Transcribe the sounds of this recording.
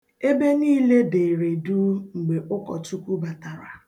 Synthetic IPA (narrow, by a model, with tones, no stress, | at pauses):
e˦be˦niː˦le˦de˨ɾe˨du˦ŋ͡m̩˨ɡ͡be˨ʔʊ˦kɔ̰˨tu˦kʷu˦ba˨ta˨ɾa˨